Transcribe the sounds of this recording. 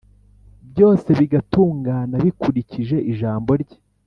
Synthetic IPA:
bjo̞ːse̞βiɡatuːŋɡaːnaβikuɾiciʒe̞ʔiʒaːmbo̞ɾɟe̥

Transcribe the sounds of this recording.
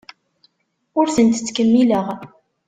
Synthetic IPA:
ʊɾθənt̪t͡sːkəmːiləʁ

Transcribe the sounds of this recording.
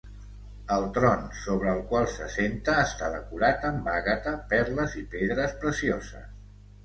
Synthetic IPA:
əlˠt̪ɾɔnsoβ̞ɾəːlˠkwalˠsəsent̪əːst̪aðəkuɾat̪əmbaɣət̪əpɛɾləzipeðɾəspɾəsiozə̰s

